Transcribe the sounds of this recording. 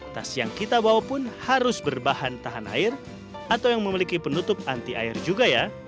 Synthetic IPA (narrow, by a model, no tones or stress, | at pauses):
t̪asijaŋkit̪abawapʊnhaɾʊsbərbahant̪aɦana̰ɪr | at̪awjaŋməmilikipənut̪ʊp̚ant̪iʔa̰ɪrd͡ʒuɡaja